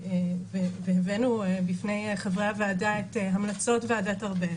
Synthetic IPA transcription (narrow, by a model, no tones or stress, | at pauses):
eveveevenuebifne̞jχevʁaveadaeteɦamlat͡so̞tveadataʁbe